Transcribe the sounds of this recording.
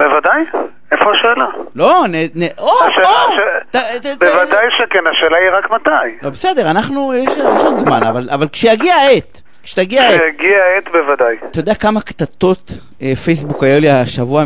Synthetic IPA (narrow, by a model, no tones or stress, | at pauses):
bevadaj | efoaʃeːlaloneneoaʃelaʃet̪atbevad̪ajʃekenaʃeːlaiʁakmat̪ajlobesed̪eʁanaχnujeʃjeʃodzma̰navalʔavalkʃejaɡiaet̪ | kʃe̥jaɡiaaʃejaɡiaet̪bevad̪ajat̪ajodeakamakt̪at̪o̞t̪ | efejsbukajoliaʃavua